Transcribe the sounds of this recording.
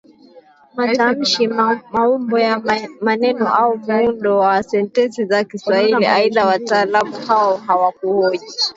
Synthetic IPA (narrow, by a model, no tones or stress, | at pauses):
matam̩ʃimaumbɔjamanɛnɔʔaumuundɔwasɛntɛnsizakiswahilḭaiðawataːlamuhaɔɦawak̚uɔʄi